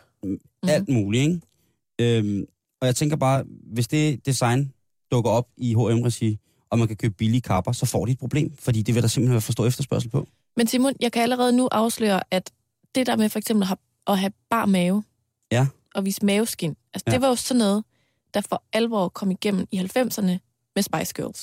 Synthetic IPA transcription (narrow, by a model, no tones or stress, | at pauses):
æl̰d̥muːlieŋ | øm | ɒ̽jɑ̈ɪt͡sʰeŋɡ̥ɐb̥ɑ̈ːʋe̝sd̥e̝d̥isɑ̈ɪn | d̥ɔ̽ɡ̥ɐɒ̽b̥iɦo̝emʁɛsi | ʔɒ̽mænkʰækʰøːb̥əb̥ilikʰɑ̈b̥ɐsɒ̽fɒ̰ːɾ̥ied̥̚pʰʁo̝b̥le̝̰ːmfɒ̽d̥ḭːd̥e̝ʋe̝ɾ̥ɑ̈semb̥l̩ehenʋɛɐfɒsɔ̰̽ːefd̥ɐsb̥ɶɐs̬l̩pʰɒ̽ | mensimo̝njɑ̈ɪkʰææləʁɛːð̞̩ˠnuʔɑ̈ʊslø̰ːɐʔæd̥ | d̥e̝d̥æɐ̰mefɒ̽eɡ̥sem̰b̥l̩ɦæ | ʔɒ̽ɦæb̥ɑ̰̈ːmɛːʊ | jæ | ʔɒ̽ʋḭːsmɛːʊsɡ̥en̰ælsəd̥e̝ʋɑ̈jo̝sɒ̽nːɔ̽ːð̩ˠ | d̥æfɒ̽ælʋɒ̰ːkʰɒ̽m̰iɡ̥em̰n̩ihælfem̰sɐnə | mesb̥ɑ̈ɪsɡ̥ø̰ls